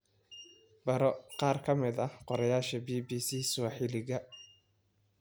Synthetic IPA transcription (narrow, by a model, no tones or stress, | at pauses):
b̥ɐɾɔqɑːrkʰɐmɪd̪ɐqɔɾɐjaːʃɐbiːbiːsiːsɔħɪlɪɣɐ